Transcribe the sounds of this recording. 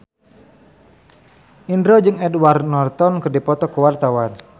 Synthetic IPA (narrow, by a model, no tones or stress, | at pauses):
ʔindɾod͡ʒɨŋɛdwarnɔrt̪ɔnkərdipɔt̪ɔkəwart̪awan